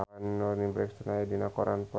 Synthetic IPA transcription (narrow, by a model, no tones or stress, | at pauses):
aanːɔrnibɾɛ̰kst̪ənajadinakɔɾanpɔ